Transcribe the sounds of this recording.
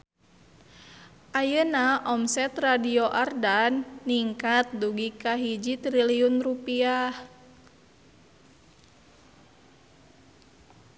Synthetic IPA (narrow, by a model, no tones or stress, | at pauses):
ʔajənaʔɔmsɛt̪radioʔardanːiŋkat̪̚duɡikaɦid͡ʒit̪ɾiliunrupiah